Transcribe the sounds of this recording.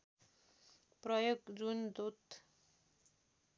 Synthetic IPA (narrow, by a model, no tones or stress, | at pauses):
prʌjoɡd͡zund̪ut̪